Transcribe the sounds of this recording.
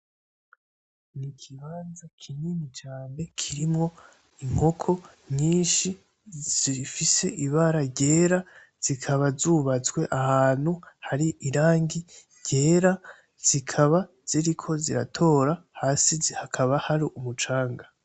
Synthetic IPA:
nikʰiβaːnzakʰininit͡ʃaːne̞kʰiɾimŋo̞ | iŋ̥ho̞kʰo̞ | ɲiːnʃi | z̥iɾifise̞ʔiβaɾaɟe̞ːɾa | z̥ikʰaβazuβat͡swe̞ʔahaːn̥huhaɾiʔiɾaːŋɡiɾɟ̥e̞ːɾa | z̥ikʰaβa | z̥iɾikʰo̞ziɾa̰tʰo̞ːɾahaːsihakʰaβahaɾiumut͡ʃaːŋɡa

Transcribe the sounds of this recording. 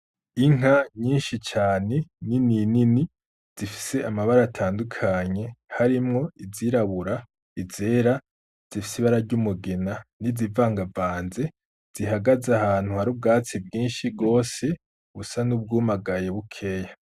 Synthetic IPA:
iŋhaɲiːnʃit͡ʃaːne̞nininini | z̥ifi̥se̞amaβaɾatʰaːndukʰaɲe̞haɾimŋo̞iziɾaβuɾa | ize̞ːɾa | z̥ifi̥siβaɾaɾɟumuɡenanizivaːŋɡavaːnze̞ | z̥iɦaɡazahaːn̥huhaɾub̚ɡaːt͡sib̚ɡiːnʃib̚ɡo̞ːse̞ | ɡusanub̚ɡuːmaɡaje̞βukʰe̞ːja

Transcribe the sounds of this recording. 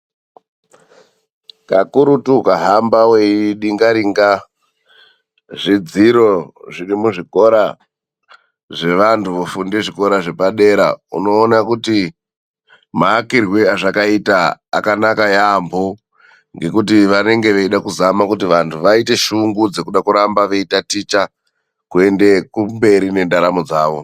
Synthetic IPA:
kakuɾutukaɦambaweiɗiŋɡaɾiŋɡa | ʐid͡ziɾo̞ʐirimuʐiko̞ɾa | ʐe̞ʋantʰuʋofunde̞ʐiko̞ɾaʐe̞paɗe̞ɾa̰ṵno̞ːnakuti | maːkirweaʐakaita̰ːkanakajambo | ŋɡe̞kutiʋane̞ŋɡe̞ʋeiɗakuzamakutiʋantʰuʋaite̞ʃuŋɡud͡ze̞kuɗakuɾambaʋe̞itatit͡ʃa | kue̞nde̞kumbe̞ɾine̞ndaɾamod͡zaːʋo̞

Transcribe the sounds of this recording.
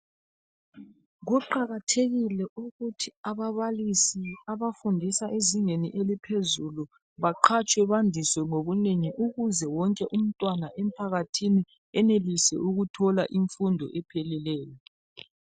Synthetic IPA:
ɣuǃaɣatʰeɣilɛʔuɣutʰiaβaβalisiaβafundʱisaʔeziŋeniʔelipʰezulu | βaǃʰat͡ʃʼwɛβandʱiswɛŋoβuneŋiʔuɣuzɛwɔŋkʼɛʔum̩tʼwanaʔɛm̩pʰaɣatʰini | ɛnelisɛ̰uɣutʰɔlaʔiɱfundʱɔ̰ʔɛpʰelilɛːjɔ

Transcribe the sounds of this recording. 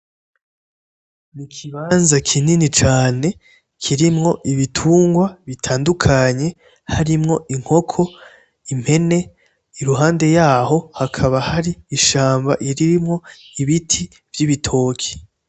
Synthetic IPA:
nikʰiβaːnzakʰininit͡ʃaːne̞ | kʰiɾimŋo̞ʔiβitʰuːŋɡwaβitʰaːndukʰaɲe̞ | haɾimŋo̞ʔiŋ̥ho̞kʰo̞ | im̥he̞ne̞ | iɾuɦaːnde̞jaːɦo̞hakʰaβahaɾiːʃaːmba̰ʔiɾimŋo̞ | iβitʰi | vjiβitʰo̞ːkʰi̥

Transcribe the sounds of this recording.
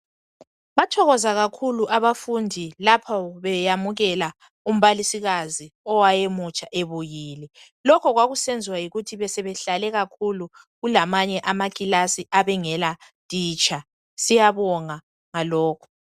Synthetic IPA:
βatʰɔɣɔzaɣakʰuluʔaβafundʱilapʰaβɛjamuɣɛla | um̩βalisiɣaziɔwajemut͡ʃʼaʔeβujiːlɛ | lɔkʰɔɣwaɣusend͡zʱiwajiɣutʰiβɛsɛβɛɬalɛɣakʰulu | ɣulamaɲɛʔamakʼilasiʔaβɛŋɛla | tʼiːt͡ʃʼa | sijaβɔŋa | ŋalɔːkʰɔ̥

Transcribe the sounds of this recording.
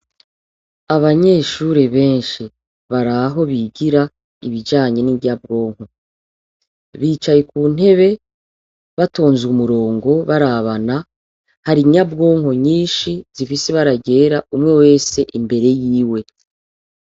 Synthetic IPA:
aβaɲe̞ʃuːɾeβe̞ːnʃi | βaɾaɦo̞βiɡiɾa | iβid͡ʒaːɲe̞nijab̚ɡo̞ːŋ̥ho̞ | βiːt͡ʃajekuːn̥he̞βe̞ | βato̞ːnzumuɾo̞ːŋɡo̞βaɾaβana | haɾiɲabɡo̞ːŋho̞ɲiːnʃiz̥ifiseβaɾaɟe̞ːɾaʔumŋe̞we̞ːse̞ʔimbe̞ɾe̞jiːwe̞

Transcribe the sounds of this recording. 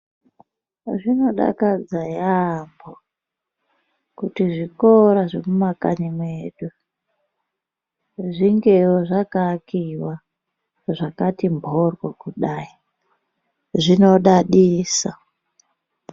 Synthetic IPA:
ʐino̞ɗa̰kad͡zajambo | kutiʐikoɾaʐemumaka̰nimweːɗu | ʐiŋɡeɦoʐakakiwa | ʐakatimbʱorwakuɗai | ʐino̞ɗaɗiːsa

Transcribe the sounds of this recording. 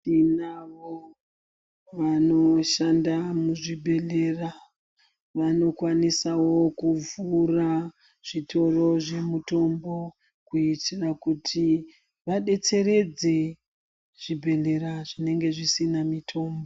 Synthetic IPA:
inaʋo | ʋano̞ʃandamuʐibʱe̞le̞ra | ʋano̞kwanisawo̞kuvura | ʐ̥itʰo̞ro̞ʐe̞muto̞mbo̞ | kuitirakutʰi | ʋaɗe̞t͡se̞ɾe̞d͡ze | ʐ̥ibʱe̞le̞ɾaʐine̞ŋɡe̞ʐisinamitʰo̞ːmbo

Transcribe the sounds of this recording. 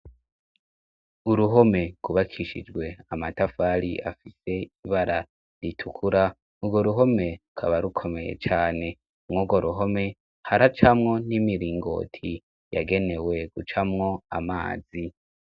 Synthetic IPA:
uɾuɦo̞me̞ɡ̥uβakʰiʃḭd͡ʒɡwe̞amatafaɾḭʔa̰fise̞iβaɾa | ɾitʰukʰuɾa | uɡo̞ɾuɦo̞me̞ɾukʰaβaɾukʰo̞me̞je̞̰t͡ʃaːne̞ | umŋuɡoɾuɦo̞me̞ | haɾat͡ʃamŋo̞nimiɾiːŋɡo̞̰ːtʰi | ja̰ɡe̞ne̞we̞ɡ̥ut͡ʃamŋo̞a̰ma̰ːzi

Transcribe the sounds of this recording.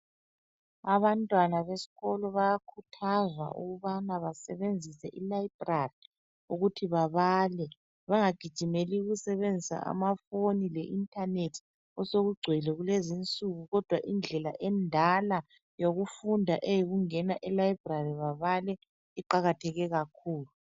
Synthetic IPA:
aβantʼwanaβesi̥ɣɔlɔβajakʰutʰaza̰ʔṵɣuβanaβasɛβend͡zʱisɛʔilaib̥rari | uɣutʰiβaβalɛ | βaŋaɡ̥ʱid̥ʒ̥ʱimeliuɣusɛβend͡zʱisa̰ʔa̰mafonilɛʔintʰʼanetʰ | ɔsoɣuɡ͡ǀʱwɛlɛɣulezint͡sʼuɣuɣɔd̥ʱwaʔind͡ɮʱɛla̰ʔɛndʱala | joɣufundʱaʔejiɣuŋɛnaʔɛlajib̥rariβaβalɛ | iǃaɣatʰɛɣɛɣakʰuːlu

